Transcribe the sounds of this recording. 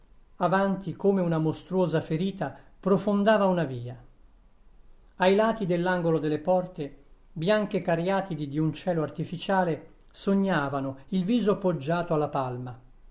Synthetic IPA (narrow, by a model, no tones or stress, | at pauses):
avant̪ikomeunamost̪ɾuoːzafeɾiːt̪apɾofond̪aːvaunaviːa | ajlaːt̪id̪elːaŋɡolod̪elːepɔrt̪ebjaŋk̟ekarjaːt̪id̪id̪iunt͡ʃɛːloart̪ifit͡ʃaːle | soɲːaːvanoilviːzoapːod͡ʒːaːt̪oalːapalma